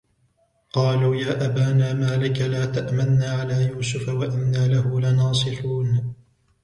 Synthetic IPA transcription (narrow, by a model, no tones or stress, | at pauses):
qɑːluːjaːʔabaːnaːmaːlɪkalaːt̪aʔmannaːʕalaːjuːsʊfawaʔɪnːaːlahʊlanɑːsˤɨfuːn